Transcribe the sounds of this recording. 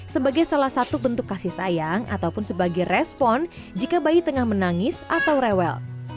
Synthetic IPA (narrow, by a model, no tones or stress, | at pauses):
səbaɡajsalahsat̪ubənt̪ʊkːasɪhsajaŋʔa̰t̪awpʊnsəbaɡajrɛspɔn | d͡ʒikabait̪əŋahmənaŋɪsʔat̪awɾɛwɛ̰l